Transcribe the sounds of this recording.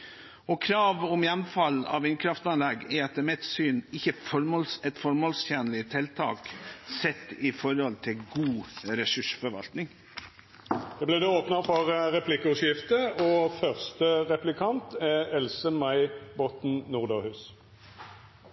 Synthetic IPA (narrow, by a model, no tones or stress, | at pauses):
ɔkʰɾɑːʋɔmjɛnfɑlːɑ̰ʋɪnkʰɾɑft̪ɑnlɛɡɛɾɑt̪̚ːəmɛt̪syːnɪçːəfɔɾmɔlsɛt̪fɔɾmɔlst̪ʰɛnəlɪt̪ʰɪlt̪ʰɑ̰ːksɛt̪ːɪfɔɾhɔlt̪ʰɪlɡuːɾɛsʉʂfɔɾʋɑ̰lt̪nɪŋ | d̪ɛblɪːd̪ɛoːpnəfɔʁʁɛpʰlɪkːəʊʂjɪft̪əɔfœʁst̪əʁɛplɪkʰɑnt̪ɛɛlsəmæɪbɔt̪n̩nuːʁd̪ɑʁhʉːs